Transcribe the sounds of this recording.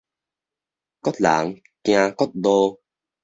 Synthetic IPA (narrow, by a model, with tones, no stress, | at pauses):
kɔ˦˥t̪̚la̰ː˨˩˦ŋ | kj̃ãː˧kɔ˦˥t̪̚lo˧